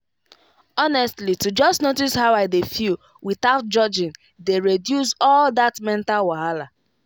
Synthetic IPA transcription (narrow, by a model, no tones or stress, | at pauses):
ɔnɛstlitud͡ʒɔstnotishaʊaɪdefil | wiθaʊt̚d͡ʒɔd͡ʒĩn | deɹedjusɔldatmɛ̃ntalwaɦala